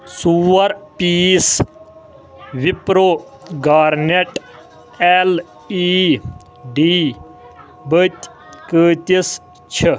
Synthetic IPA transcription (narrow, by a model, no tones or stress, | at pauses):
suːɐɾpiːs | ʋipɾoː | ɡaːɾneʈ | el | iː | ɖiː | bət̪ʲ | kəːt̪is | t͡ʃʰə